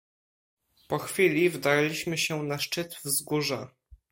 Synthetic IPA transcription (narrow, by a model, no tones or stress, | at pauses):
pɔxfʲilʲivd̪aɾlʲiɕmɘɕɛnaʂt͡ʂɘt̪vzɡuʐɛ